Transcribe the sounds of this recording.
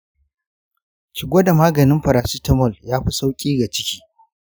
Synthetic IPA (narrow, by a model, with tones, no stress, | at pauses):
t͡ʃɪ˨ɡʷoː˦da˨maː˦ɡɐ˨nɪ˦mɸɐ˨ɾaː˨siː˦tɐ˦mɔ˦˨ljaː˦ɸi˦sa˦wkʲʼiː˦ɡa˨t͡ʃɪ˦kʲiː˦